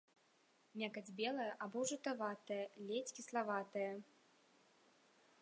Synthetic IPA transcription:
mʲakɐd͡zʲbʲɛlˠɐjɐʔabɔwʐɨt̪avat̪ɐjɐlʲet͡sʲkʲislˠavat̪ɐjɐ

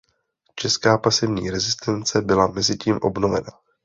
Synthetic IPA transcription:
t͡ʃɛskaːpasɛvɲiːɾɛzɪst̪ɛnt͡sɛbɪlamɛzɪciːmʔo̞̰bno̞vɛ̰na

